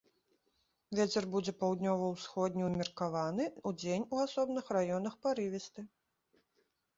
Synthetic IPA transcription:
vʲet͡sʲɛrbud͡zʲɛpawd̪nʲɔvɐwsxɔd̪ʲnʲiwmʲɛrkavanɨud͡zʲenʲuasɔbnɨxrajɔnɐxpaɾɨvʲɛst̪ɨ

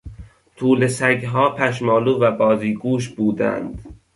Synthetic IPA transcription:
t̪ʰuːlesæɡɦɒːpʰæʃ̬mɒːluːvæbɒːziːɡuːʃ̬buːd̪æ̰nd̪̥

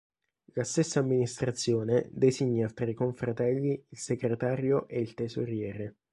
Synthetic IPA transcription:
last̪esːaːmːinist̪ɾat̪sːjoːned̪eziɲːat̪ɾaikoɱfɾat̪ɛlːiilseɡɾet̪aːɾjoʔeilt̪ezoɾjɛːɾe

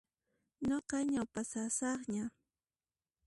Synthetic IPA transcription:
ɲoqɑɲawpasasɑχɲa

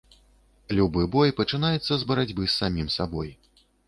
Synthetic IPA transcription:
lʲubɨbɔjpɐt͡ʂɨn̪ajɛt̪sːɐzbɐɾad͡zʲbɨsːamʲimsabɔj

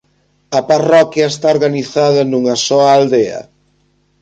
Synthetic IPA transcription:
ɐparɔkjɐest̪aoɾɣaniθaðɐnuŋɐsɔaald̪eɐ̰

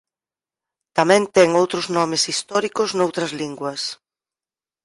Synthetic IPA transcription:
t̪amɛ̃nt̪ɛŋowt̪ɾʊznɔmɪsist̪ɔɾikʊznowt̪ɾɐzliŋɡwɐs

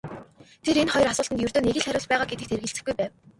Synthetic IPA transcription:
t̪ʰeɾenχɔjrasʊːɮt̪ə̆t̪jɵrt̪ɵːneɣʲɘ̆ɮχæɾʲʊːɮpæːʁaːɡet̪ɘ̆k̚t̪erɣɘ̆ɬt͡sɘ̆xɡujpæːw

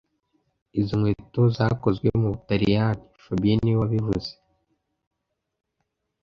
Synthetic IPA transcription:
iziŋwetozako̞zɡwḛmuβutaɾijanifabieniwaβivṵze

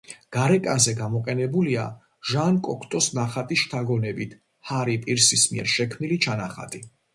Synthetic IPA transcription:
ɡ̥aɾɛkʼazɛɡamɔqʼɛnɛbulia̰ | ʒankʼɔkʰt̪ʼɔsnaχat̪ʼisʃt̪ʰaɡɔnɛbit̪ʰ | haɾipʼiɾsismiɛɾʃɛkʰmnilit͡ʃʰanaχa̰t̪ʼi

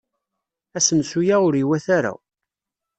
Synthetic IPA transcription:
æsənsujæʊɾiwæθaɾæ̰

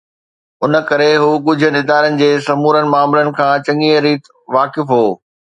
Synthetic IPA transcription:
ʊnə̆kɐɾeɦuːkʊd͡ʑʱʊ̆nɪd̪aːɾənɪ̆d͡ʑeːsɐmuːɾənɪ̆maːmlənɪ̆kʰãːt͡ɕɐ̃ŋiːəɾiːt̪ | ʋaːkɪfɦoː

